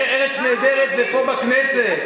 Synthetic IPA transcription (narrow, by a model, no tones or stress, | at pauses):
eʁet͡sneːd̪eʁet̪̚beħobakneset̪